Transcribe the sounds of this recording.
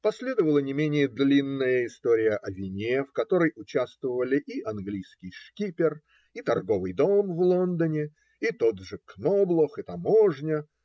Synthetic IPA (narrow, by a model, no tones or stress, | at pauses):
pɐsʲlʲe̞d̪əvəlˠənʲɪmʲenʲɪjəd̪lʲinːəjəɪst̪oɾʲɪjəʔɐvʲɪnʲefkɐt̪o̞ɾəjʔʊt͡ɕast̪vəvəlʲɪʔiʔɐnɡlʲijskʲɪjʂkʲipʲɪr | it̪ɐrɡo̞vɨjd̪o̞mvlˠo̞nd̪ənʲɪ | it̪o̞d̪ʐɨknoblˠəxɨt̪ɐmoʐnʲə